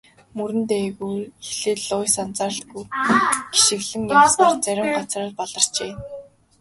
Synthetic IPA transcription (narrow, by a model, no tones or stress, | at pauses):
mɵɾɘ̆nt̪eːɣujxeɮeːɮʊjsant͡saːɬt̪̚ɡujɡ̥i̥ʃɪ̆ɣɮɘ̆ŋjasart̪̚t͡sæɾʲɪ̆ŋɢat͡sraːrpɔɮɞ̆r̥t͡ɕeː